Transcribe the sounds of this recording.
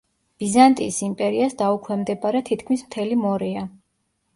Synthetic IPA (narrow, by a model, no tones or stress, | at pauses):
b̥izant̪ʼḭsimpʼɛɾiasd̪aukʰwɛmd̪ɛbaɾɛt̪ʰit̪ʰkʰmismt̪ʰɛlimɔɾɛa